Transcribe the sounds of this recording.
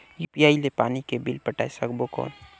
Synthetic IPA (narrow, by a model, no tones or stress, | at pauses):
jupijaːilepaːnikebilpəʈaːesəkbokɔ̰ːn